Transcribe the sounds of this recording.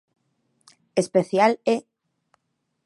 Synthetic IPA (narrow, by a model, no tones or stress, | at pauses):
espeθjale